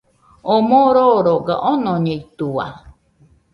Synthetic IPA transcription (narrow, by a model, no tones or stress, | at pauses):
omoɾoɾoɡa̰ʔonoɲeit̪ua̰